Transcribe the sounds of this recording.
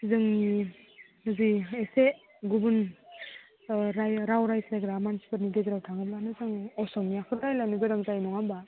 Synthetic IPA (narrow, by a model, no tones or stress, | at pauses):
izɯŋni | ɯziese | ɡubun | ɾajɾawɾajsajɡɾamansi̥pɯɾnideɡɾawtʰaŋɯblanɯzɯŋɔsɔmjakʰɯtajlanɯbeɾaŋzajnɔŋamba